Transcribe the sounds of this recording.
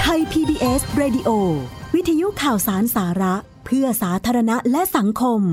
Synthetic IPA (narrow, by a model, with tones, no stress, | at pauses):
t̪ʰa˧jpʰiː˧biː˧ʔeː˦˥sɾeː˧di˧ʔoː˧wi˦˥t̪ʰːa˧ju˦˥kʰaː˨˩wsaː˩˦nsaː˩˦ɾa˦˥ | pʰɯ˥˩ɐsaː˩˦t̪ʰaː˧ɾa˧na˦˥ʔlɛ˦˥sa˩˦ŋkʰo˧m